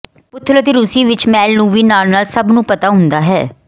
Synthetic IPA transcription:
pʊt̪ʰːɾət̪eːɾʊsiːʋɪt͡ʃmɛːlnũːʋiːnaːlnaːlsəbnũːpət̪aːɦʊ̃nd̪aːɦɛ̰ː

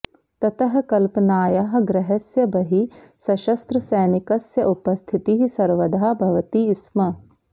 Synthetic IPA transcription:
t̪ɐt̪ɐɦɐ̆kɐlpɐnaːjaːɦɐ̆ɡɾɐɦɐsjɐbɐɦi | sɐʃɐst̪ɾɐsɛːnikɐsjɐʔupɐst̪ʰit̪iɦisɐɾʋɐd̪ʱaːbʱɐʋɐt̪iːsmɐ

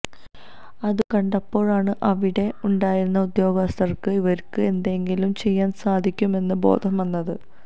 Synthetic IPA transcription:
ɐðɨkɐɳɖɐpːo̞ːɻaːɳɨʔɐʋiɽe̞uɳɖaːjiɾunːɐud̪jo̞ːɡɐst̪ɐrkɨiʋɐɾkɨe̞nd̪e̞ŋɡilumt͡ɕe̞jːaːnsaːd̪ʱikʲːume̞nːɨbo̞̰ːd̪ʱɐmʋɐnːɐðɨ

